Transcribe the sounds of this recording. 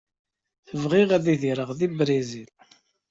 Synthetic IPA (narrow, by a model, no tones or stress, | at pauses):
θəvʁiʁaðiðiɾəʁðibɾizil